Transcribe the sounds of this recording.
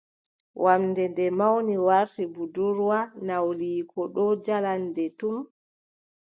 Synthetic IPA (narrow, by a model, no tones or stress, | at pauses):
wʔamdɛndɛmawniwaɾsibuduɾwanawliːkɔɗɔd͡ʒalandɛtum